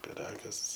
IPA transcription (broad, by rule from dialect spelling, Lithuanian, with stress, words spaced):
pʲɪˈrɑːɡɐs